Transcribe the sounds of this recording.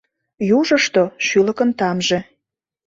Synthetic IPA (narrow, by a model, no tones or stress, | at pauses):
juʒəʃt̪oʃylə̆kənt̪ɑmʒe